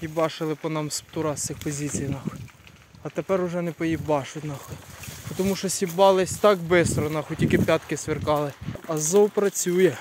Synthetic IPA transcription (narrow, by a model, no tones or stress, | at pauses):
ibɑʃɪlˠɪpɔnɑmsp̚t̪uɾɑt͡s̪ʲɪxpɔzʲit͡sʲijnɑx | ɐt̪epɛɾʊʒɛnɛpɔjibɑʃʊnɑxpɔt̪ɔmuʃt͡ʃɔsʲibɑlˠɪsʲt̪ɑkbɪst̪ɾɔnɑxɔtʲikɪpʲjɑt̪kɪsʋerkɑlˠɪɐzɔwpɾɐt͡sʲujɛ